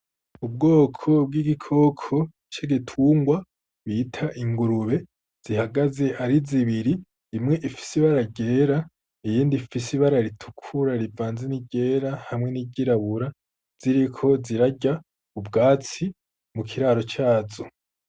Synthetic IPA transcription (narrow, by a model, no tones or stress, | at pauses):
ub̚ɡo̞ːkʰo̞b̚ɡiɡikʰo̞kʰo̞ | t͡ʃeɡitʰuːŋɡwa | βiːtʰaʔiŋɡuɾuβe̞ | z̥ihaɡaze̞ʔaɾiziβiɾi | imŋe̞ʔifi̥siβaɾaɟe̞ːɾa | ijiːndifisiβaɾaɾitʰu̥kʰuɾaɾivaːnzeniɟe̞ːɾahamŋe̞niɟiɾaβuɾa | z̥iɾikʰo̞ziɾaɟa | ubɡaːt͡si | mukʰiɾaːɾo̞t͡ʃaːzo